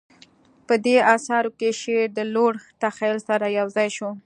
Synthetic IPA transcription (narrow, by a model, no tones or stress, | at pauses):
pəd̪eɑsɑɾokeʃeɾd̪əloɽt̪axalsaɾajawzɑjʃo